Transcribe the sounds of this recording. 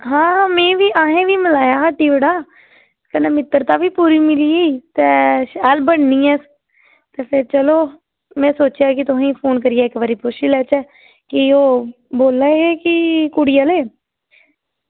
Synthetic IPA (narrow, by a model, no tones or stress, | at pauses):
ɦãːmɛ̃ːʋiːʔaːɦẽːʋiːmɪlaːjaːʈiːʋɪɽaː | kəneːmɪt̪ːəɾt̪aːʋiːpuːɾiːmɪliːiːt̪ɛːʃalbəɳniːɛː | t̪eːpʰɪɾt͡ʃəloː | mɛ̃ːsoːt͡ʃjaːkɪt̪ʊɦẽːpʰoːnkəɾɪjaːɪkʋaːɾiːpʊʃiːlɛːt͡ʃɛː | kɪoː | boːlːaːekɪkuɽɪjaːleː